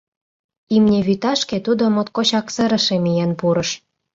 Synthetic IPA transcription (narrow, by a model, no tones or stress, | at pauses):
imnʲeβyt̪ɑʃket̪ud̪omot̪̚kot͡ɕɑksə̆ɾə̆ʃemijenpuɾɤ̆ʃ